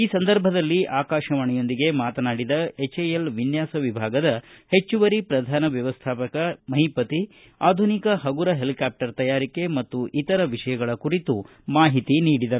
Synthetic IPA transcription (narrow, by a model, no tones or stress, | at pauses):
iːsɐnd̪ɐɾbʱɐd̪ɐlːiʔaːkaːʃɐʋɐɳɛjo̞nd̪iɡe̞maːt̪ɐnaːɽid̪ɐet͡ʃejelʋinjaːsɐʋibʱaːɡɐd̪ɐhe̞t͡ʃːuʋɐɾipɾɐd̪ʱaːnɐʋjɐʋɐst̪ʰaːpɐkɐmɐɦipɐt̪i | aːd̪ʱunikɐɦɐɡuɾɐɦe̞likaːp̚ʈɐɾt̪ɐjaːɾike̞mɐt̪ːuʔit̪ɐɾɐʋiʂɐjɐɡɐɭɐkuɾit̪u | maːɦit̪iniːɽid̪ɐɾu